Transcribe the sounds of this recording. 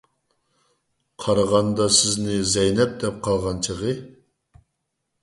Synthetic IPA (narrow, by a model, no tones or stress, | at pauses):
qʰɑɾɑʁɑnd̪ɑsɪznɪzɛjnɛp̚d̪ɛp̚qʰɑlˠʁɑnt͡ʃʰəʁə